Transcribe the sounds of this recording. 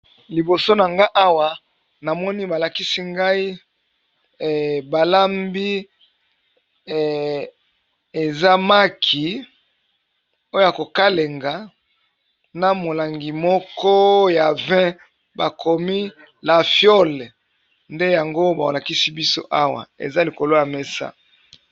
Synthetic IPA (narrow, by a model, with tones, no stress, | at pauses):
li˨bo˨so˦na˨ŋɡa˦ʔa˦wa˨ | na˨mɔ˦ni˦ba˨la˨ki˦si˦ŋɡa˦i˦˨ | ba˨la˦mbi˦˨ | e˨za˦ma˦kʰi˨ | o˦jo˦ja˨ko˨ka˦le˨ŋɡa˨ | na˨mo˨la˨ŋɡi˨mɔ˦kɔ˦ja˨vɛ̃˦ | ba˨kʰo˨mi˦ | la˨fjo˦l | nde˦ja˨ŋɡo˦ba˨o˨la˨ki˦si˦bi˦so̰˦ʔa˦wa̰˨ḛ˨za˦li˨ko˨lo˦ja˨me˦sa̰˦